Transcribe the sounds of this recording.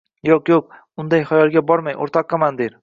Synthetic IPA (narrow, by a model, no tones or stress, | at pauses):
joqjoq̚ | ʊnd̪ajχajɒlˠɡʲabɒɾmajʔo̰ɾt̪ʰɒqːɑmand̪eɾ